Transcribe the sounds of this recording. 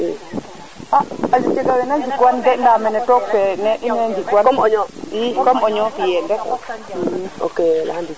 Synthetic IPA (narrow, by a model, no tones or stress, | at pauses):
e | aad͡ʒut͡ʃɛɡawɛnaɲd͡ʒikwandɛndamɛnɛtɔk̚pɛnɛʔinɛɲd͡ʒikwankɔmɔɲɔm̩kɔmɔɲɔfijɛndɛ | o̰kelandi